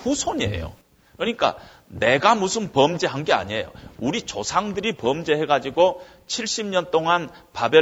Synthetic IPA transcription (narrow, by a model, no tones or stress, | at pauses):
ɸusʰoɲiḛjo̰ | kɯɲik͈a̰ | ne̞ɡamusʰɯnpʌmd͡ʑeɦanɡe̞a̰ɲiejo̰uɾit͡ɕosʰaŋdɯɾipʌmd͡ʑe̞ɦe̞ɡad͡ʑiɡo | t͡ɕʰiɭɕ͈imɲʌnt͈oŋanpabjʌ